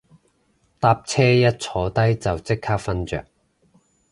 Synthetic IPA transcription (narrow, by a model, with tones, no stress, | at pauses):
t̪aː˧˥p̚t͡sʰɛː˥jɐ˥t̚t͡sʰɔː˨˥t̪ɐ˥jt͡sɐ˨wt͡sɪ˥kʰːaː˥k̚fɐ˥nt͡ʃœ̰ː˨k̚